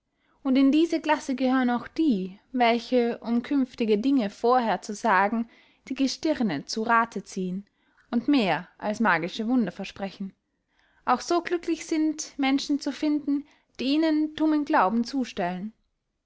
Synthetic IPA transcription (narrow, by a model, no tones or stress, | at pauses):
ʊntɪndiːzɐɡlasəɡəhøːʁə̃naʊxd̥iːvɛlçəʔʊmkʰʏnftɪɡədɪŋəfoːɐɦeːɐt͡suzaːɡŋ̩ | d̥iːɡəʃtɪʁnət͡suʁaːtʰət͡siːən | ʔʊntmeːɐʔalsmaːɡɪʃəvʊndɐfɛɐʃpʁ̥ɛçn̩ | ʔaʊxz̥oːɡlʏklɪçz̥ɪntmɛnʃn̩t͡sufɪndn̩ | d̥iːiːnənd̥ʊmənɡlaʊbm̩t͡suːʃtɛlən